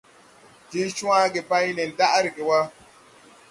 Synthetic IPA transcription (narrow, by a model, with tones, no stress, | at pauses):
d͡ʒe˦t͡ʃu˦a˦ɡe˨ba˦jne˨n˨da˦ʔa˦ɾɡe˨wa˦